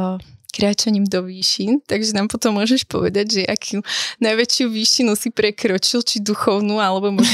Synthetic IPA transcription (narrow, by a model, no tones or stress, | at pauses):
kɾaːt͡ʃaɲiːmd̪ɔʋiːʃint̪aɡʒɛnaːmpɔt̪ɔmːʊɔʒɛʃpɔ̰ʋɛ̰d̪aɟʒɛakʰunajʋɛt͡ʃɪuʋiːʃinusipɾɛkɾɔt͡ʃilt͡ʃid̪uxɔʊnuːalɛbɔmʊɔʒ